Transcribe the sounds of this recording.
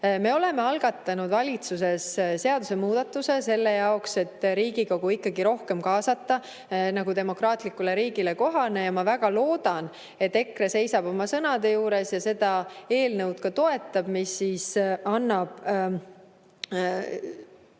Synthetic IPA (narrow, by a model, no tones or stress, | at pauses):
me̞o̞le̞me̞ɑlɡ̥ɑt̪ːˑɑnud̪vɑlʲit̪suse̞sse̞ɑd̪̥use̞muːd̪̥ɑt̪ːˑuse̞se̞lːe̞jɑo̞kse̞t̪ːɾiːɡ̥iko̞ɡ̥uikːˑɑɡiɾo̞hke̞mkɑːsɑt̪ˑːɑ | nɑɡ̥ud̪e̞mo̞krɑːt̪ˑlikːˑule̞ɾiːɡ̥ile̞ko̞ɦɑne̞jɑmɑvæɡ̥ɑlo̞ːd̪̥ɑn | e̞t̪ːe̞kre̞se̞jsɑb̥o̞mɑsɤnɑd̪̥e̞juːɾe̞sjɑse̞d̪̥ɑe̞ːlnəwd̪̥kɑt̪o̞e̞t̪ːˑɑb̥misːisɑnːɑb̥